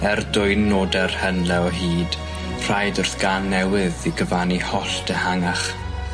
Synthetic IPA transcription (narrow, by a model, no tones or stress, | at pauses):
ɛrdʊɨnːoːdɛrhənlɛɔɦiːd̥ | r̥ajdʊrθɡ̥anːɛwɪðiɡəvanihɔɬtəhaŋaχ